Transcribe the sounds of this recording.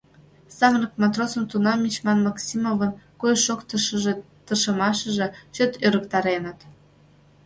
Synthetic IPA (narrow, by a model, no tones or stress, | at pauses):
sɑɣnɤkmɑt̪rosə̆mt̪unɑmʲit͡ɕmɑnmɑksʲimovə̆nkujʃokt̪ɤ̆ʃə̆ʒĕ | t̪ərʃɤ̆mɑʃə̆ʒĕt͡ɕøt̪øɾə̆kt̪ɑɾenə̆t̪